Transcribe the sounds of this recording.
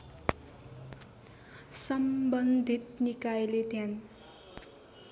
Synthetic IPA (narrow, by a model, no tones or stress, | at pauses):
sʌmbʌnd̪ʱit̪nikajelet̪jan